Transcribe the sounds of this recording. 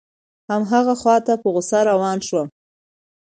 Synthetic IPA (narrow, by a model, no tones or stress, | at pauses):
hamɦaɣaxwɑt̪apəɣʊsaɾawɑnʃwa